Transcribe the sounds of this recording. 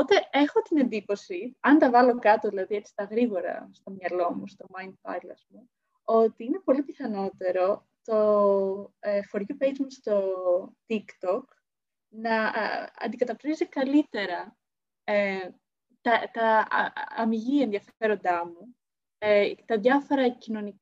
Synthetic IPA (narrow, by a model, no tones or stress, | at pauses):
opot̪e̞e̞xo̞t̪ine̞nd̪ipo̞siɐnt̪ɐvɐlo̞kɐt̪oðilɐðie̞t͡si̥st̪ɐɣɾiɣo̞ɾɐ̰st̪o̞mɲɐlo̞must̪o̞mɐjnd̪̚pɐ̰jlɐ̰zmu | o̞t̪iine̞po̞lipiθɐno̞t̪e̞ɾo̞ | t̪o̞ | efo̞ɾʝupejd͡ʒmust̪o̞t̪ikt̪o̞k | nɐɐ̰nd̪ikɐt̪ɐpt̪ɾizikɐlit̪e̞ɾɐ | e | t̪ɐt̪ɐ | ɐmiʝie̞nðiɐfe̞ɾo̞nd̪ɐmu | et̪ɐðʝɐfo̞ɾɐcino̞nik